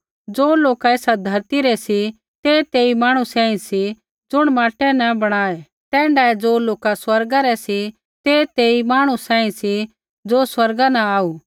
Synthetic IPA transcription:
d͡ʒoːloːkaeːsad̪ʱɐɾt̪iɾɛsi | t̪et̪eːimaːɽ̃usãːĩsi | d͡ʒʊɽ̃maːʈɛnɐbɐɽ̃aːe | t̪ɛ̃ːɳɖaːed͡ʒoːloːkaswɐɾɡaɾɛsi | t̪et̪eːimaːɽ̃usãːĩsi | d͡ʒoːswɐɾɡanɐaːuː

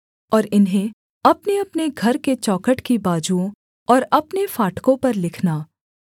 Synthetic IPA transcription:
ɔːɾɪnɦẽ | ɐpneɐpneɡʱɐɾket͡ʃɔːkəʈkibaːd͡ʒuõ | ɔːɾɐpnefaːʈkõpɐɾlɪkʰnaː

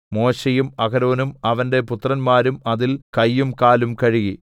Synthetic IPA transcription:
mo̞ːɕɐjumɐɣɐɾo̞ːnumɐʋɐnde̞put̪rɐnmaːɾumɐðilkɐjːumkaːlumkɐɻiɣi

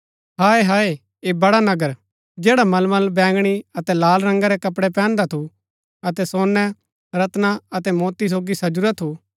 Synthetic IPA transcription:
ɦaːeɦaːe | eːbɐɽanɐɡəɾ | d͡ʒɛːɽamɐlmɐlbɛ̃ːŋɡɽ̃iɐt̪ɛlaːlɾɐ̃ŋɡaɾɛkɐpɽɛpɛ̃ːnd̪at̪ʰu | ɐt̪ɛsoːnːɛ̃ | ɾɐt̪naɐt̪ɛmɔːt̪is̬oːɡisɐd͡ʒʊɾat̪ʰu

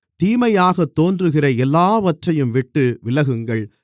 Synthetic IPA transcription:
t̪iːmɐjaːɣɐt̪ːoːndrɯɣɪrɐɛlːaːʋɐʈrɐjɯmʋɪʈːɯʋɪlɐɣɯŋɡɐɭ

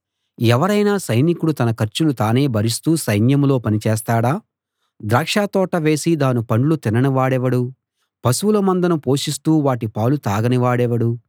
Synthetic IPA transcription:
ɛʋɐɾɐjnaːsɐjnikuɽut̪ɐnɐkɐɾt͡ʃulut̪aːne̞ːbʱɐɾist̪uːsɐjnjɐmlo̞ːpɐnit͡ʃeːst̪aːɽaː | d̪ɾaːkʂaːt̪ɔːʈɐʋe̞ːsid̪aːnipɐɳɖlut̪inɐniʋaːɽɛʋɐɽu | pɐsuwulɐmɐnd̪ɐnɐpo̞ːʃist̪uːʋaːʈipaːwlut̪aːɡɐniʋaːɽɛʋɐɽu

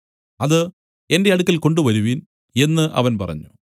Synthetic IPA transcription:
ɐðɨ | e̞nde̞ɐɽukːɐlko̞ɳɖuʋɐɾuʋin | e̞nːɨʔɐ̰ʋɐnpɐ̰rɐ̰ɲːu

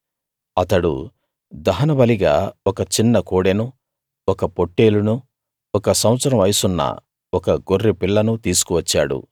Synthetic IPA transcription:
ɐt̪ɐɽṵ | d̪ɐɦɐnɐbɐliɡa̰ːɔkɐt͡ʃinːɐkoːɽenu | ɔkɐpo̞ʈːe̞ːlunu | ɔkɐsɐwɐt̪sɐɾɐmɐjsunːɐ̰ | ɔkɐɡorːipiɭːɐnut̪iːsu̥kuʋɐt͡ʃːa̰ːɽṵ

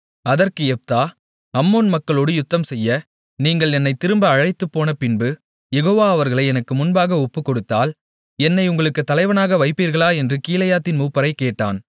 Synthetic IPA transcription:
ɐðɐrkɯɛp̚t̪aː | ɐmːoːnmɐkːɐɭoːɽɯjʊt̪ːɐmsɛjːɐ | niːŋɡɐɭɛnːɐɪt̪ɪɾɯmbɐːɻɐɪt̪ːɯpːoːnɐpɪnbɯ | jɛɣoːʋaːɐʋɐɾɣɐɭɐɪɛnɐkːɯmʊnbaːɣɐɔpːɯkːɔɽɯt̪ːa̰ːl | ɛnːɐɪʊŋɡɐɭɯkːɯt̪ːɐlɐɪʋɐnaːɣɐʋɐɪpːiːɾɣɐɭaːɛndrɯkiːlɐjaːt̪ːɪnmuːpːɐɾɐɪkːeːʈːa̰ːn

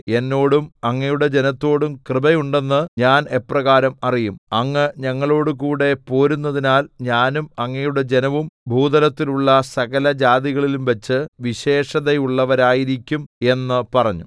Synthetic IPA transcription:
e̞nːo̞ːɽumɐŋːɐjuɽe̞d͡ʑe̞nɐt̪ːo̞ːɽumkrɨbɐjuɳɖe̞nːɨɲaːne̞pːrɐɣaːɾɐmɐrijumɐŋːɐɲɐŋːɐɭo̞ːɽukuːɽe̞po̞ːɾunːɐðinaːlɲaːnumɐŋːɐjuɽe̞d͡ʑe̞nɐʋumbʱuːd̪ɐlɐt̪ːiluɭːɐsɐɣɐlɐd͡ʑaːd̪iɣɐɭilumʋɐt͡ɕːɨʋiɕe̞ːʂɐðejuɭːɐʋɐɾaːjiɾikʲːume̞nːɨpɐrɐɲːu

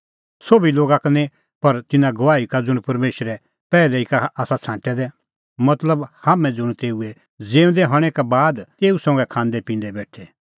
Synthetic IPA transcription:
soːbiloːɡakɐne | pɐɾt̪ɪnãɡɐʋaːikad͡zʊɽ̃pɐɾmeːʃɾɛ | pɛːlɛikaʔaːsat͡sʰãːʈɛd̪ɛ | mɐt̪ləbhaːmɛ̃d͡zʊɽ̃t̪eːuɛ | d͡zeːũnd̪ɛɦɔɽ̃ɛkabaːd̪t̪eːusɐ̃ŋɡɛkʰãːnd̪ɛpĩːnd̪ɛbɛːʈʰɛ

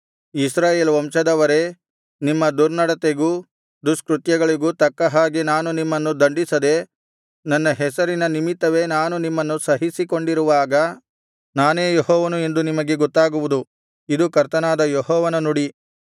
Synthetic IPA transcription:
isɾaːjeːlɐʋɐmʃɐd̪ɐʋɐɾe̞ | nimːɐd̪uɾnɐɽɐt̪eɡuː | d̪uskɾut̪jɐɡɐɭiɡuːt̪ɐkːɐɦaːɡenaːnunimːɐnːud̪ɐɳɖisɐd̪e̞ | nɐnːɐɦɛsɐɾinɐnimit̪ːɐʋe̞naːnunimːɐnːusɐɦisiko̞ɳɖiɾuʋaːɡɐ | naːneːjɔɦɔːʋɐnue̞nd̪unimɐɡe̞ɡɔt̪ːaːɡuʋud̪u | id̪ukɐɾt̪ɐnaːd̪ɐjɔɦɔːʋɐnɐnuɽi

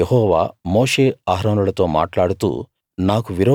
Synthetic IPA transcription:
ehɔːʋa̰ːmoːʂeːaːɦɾɐːnɐɭɐt̪ːoːma̰ːʈlaːɽut̪ṵ | naːkuʋiɾo

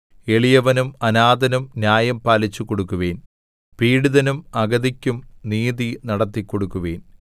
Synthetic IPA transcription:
e̞ɭijɐʋɐnumɐnaːd̪ɐnumnjaːjɐmpaːlit͡ɕːukːoɽukːuʋeːn | piːɽuðɐnumɐɡɐðikʲːumniːðinɐɽɐt̪ːikːoɽukːuʋeːn

